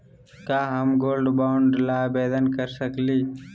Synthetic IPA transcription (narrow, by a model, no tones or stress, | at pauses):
kaːɦəmɡoːlɖbaːʊɳɖlaːbeːd̪ənkəɾsəkliː